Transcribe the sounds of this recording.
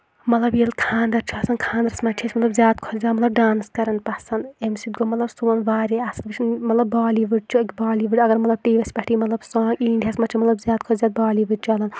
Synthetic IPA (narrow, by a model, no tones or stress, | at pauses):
mɐt̪lɐbjelkʰãːnd̪ɐɾt͡ʃʰuɐsɐnkʰãːnd̪ɐɾsmɐt͡ʃʰesmɐt̪lɐbzʲjaːd̪̚kʰozaːmɐt̪lɐb̚ɖaːnskɐɾɐnpɐsɐnemsit̪̚ɡomɐt̪lɐbsuwɐnʋaːɾiɐsɨnʋɨt͡ʃʰinmɐt̪lɐbːaːliːʋɨʈ̚t͡ʃʰuikʲbaːliːʋɨʈʲɐɡɐɾmɐt̪lɐb̚ʈiːʋɐsʲpɐʈʰiːmɐt̪lɐbsɔ̃ːŋiːɳɖʲjɐsmɐt͡ʃʰimɐt̪lɐbzʲjaːd̪̚kʰozʲaːd̪̚baːliːʋɨt͡ʃʰuɐlɐn